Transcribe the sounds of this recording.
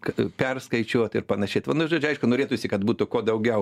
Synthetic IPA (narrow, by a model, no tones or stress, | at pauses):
kpʲɛrskɐɪt͡ʃʲoɔt̪ɪɾpɐnɐʃʲɛːt̪ʋɐnʊʒoːd͡ʒʲʊɐɪʃkʊnoːɾʲeːt̪ʊsʲɪkɐt̪buːt̪ʊkoːd̪ɐʊɡʲɛʊ